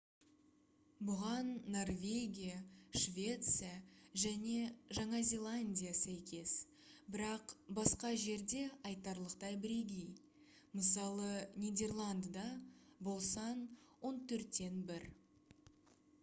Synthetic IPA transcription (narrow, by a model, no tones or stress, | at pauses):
bʊʁɑnːo̞rvʲe̞ɡʲijaʃvʲe̞t̪sɨjaʒæne̞ʒɑɴɑzʲe̞lˠanʲdʲijasæjkʲe̞s | bɪɾɑqbɑsqɑʒe̞ɾd̪e̞ɑjt̪ɑɾlˠəqt̪ɑjbɪɾe̞ɡʲej | məs̬ɑlˠənʲijd̪ʲe̞rlˠand̪ːɑbo̞lˠsɑnwo̞nt̪ʰɵɾt̪ːe̞nbɪɾ